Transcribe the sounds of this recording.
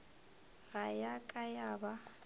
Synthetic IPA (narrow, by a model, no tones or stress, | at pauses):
rajakʼajaːba